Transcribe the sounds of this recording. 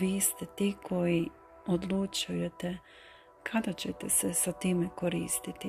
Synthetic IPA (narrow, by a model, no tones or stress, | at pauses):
ʋiːst̪et̪iːkʰo̞ji | od̪lˠut͡ʃujet̪e | kʰad̪at͡ɕet̪esesat̪iːmekoɾiːst̪it̪i